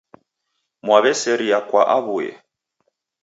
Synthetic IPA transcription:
mwaβɛsɛɾiakwaʔaβujɛ̰

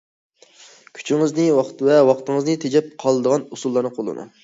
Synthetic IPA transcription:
kʲʰy̥t͡ʃʰiŋɨznɨwɑχt̪vɛwɑqt̪ɨŋɨznɨt̪ʰed͡ʒɛp̚qʰɑlˠɨd̪əʁɑnusulˠːɑɾnɨqʰolˠɨ̰nṵ

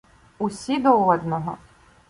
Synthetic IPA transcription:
usʲid̪ɔɔd̪nɔɦɔ̰

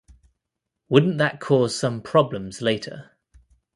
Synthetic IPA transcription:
wʊdⁿn̩ðəʔkʰɔːz̥sʌ̃mpʰɹ̥ɒblə̃mzleɪtʰə̰

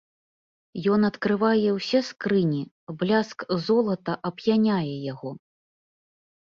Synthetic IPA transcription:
jɔn̪ɐt̪kɾɨvajɛwsʲɛskɾɨnʲi | blʲaskzɔlˠɐt̪ɐʔɐbjanʲajɛjaɣɔ

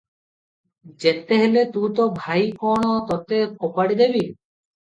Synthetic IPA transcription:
d͡ʒet̪eɦelet̪ũt̪ɔbʱajkɔɽ̃ɔt̪ɔt̪ep̚ɔpaɽid̪ebi

